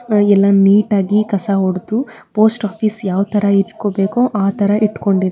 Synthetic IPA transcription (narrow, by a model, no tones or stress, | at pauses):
ɛlːɐniːʈaːɡikɐsaɦoɽt̪upo̞ːsʈaːpʰisjaːʋt̪ɐɾɐiʈkobe̞ːkoʔaːt̪ɐɾɐʔiʈːko̞ɳɖid̪e